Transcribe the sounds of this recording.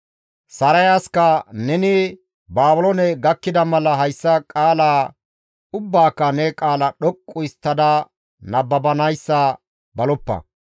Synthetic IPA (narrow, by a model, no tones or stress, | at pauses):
sɐɾɐjaːskɐnɛnɪ | baːbʊlɔnɛɡɐkːɪd̪ɐmɐlɐɦɐjsːɐkʼaːlaː | ʊbːaːkːɐnɛkʼaːlɐɗɔkʼːʊɪst̪ːɐd̪ɐ | nɐbːɐbɐnɐjsːɐ | bɐlɔpːɐ̰